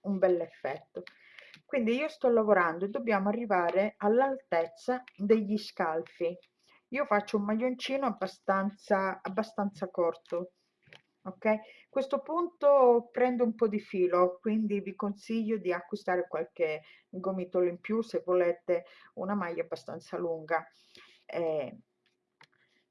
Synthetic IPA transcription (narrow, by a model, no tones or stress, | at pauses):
umbɛlːefːɛt̪ːo | kwind̪iiːost̪ɔlːavoɾand̪oed̪ːobːjaːmoarːivaːɾealːalt̪ɛt̪sːad̪eʎːiskalfi | iːofat͡ʃːoumːaʎːont͡ʃiːnoabːast̪ant̪saːbːast̪ant̪sakɔrt̪o | okːɛjkwest̪opunt̪opɾɛnd̪ʊumpɔd̪ifiːlokwind̪ivikonsiʎːod̪iakːwist̪aːɾekwalke | ɡomit̪olimpjusevːolɛːt̪eṵnamajːabːast̪a̰nt̪saluŋɡa | ɛ